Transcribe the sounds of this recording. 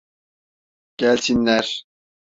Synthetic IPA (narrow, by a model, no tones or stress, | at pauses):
ɡ̥ælʲt̪ʰinːæɾ